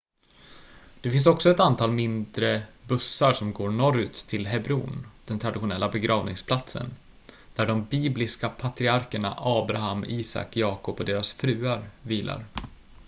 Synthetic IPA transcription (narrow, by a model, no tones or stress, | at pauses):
d̪̥ɛfɪnsɔksɔɛt̪ant̪ʰɑːlmɪnd̪ɾəbɵsːaʂɔmɡoːɾɳɔɾʏt̪ʰːɪlɦɛbɾṵːnd̪̥ɛnt̪ʰɾad̪ɪɧʊnɛlːabɛɡɾʔɑːvnɪŋspʰlat̪sə̰n | d̪̥æɖɔmbiːblɪskapʰat̪ɾɪaɾkəɳa̰ʔɑːbɾaɦamiːsa̰kjɑːkɔpɔd̪eːɾasfɾʉ̟ːaɾviːlʔa̰ɾ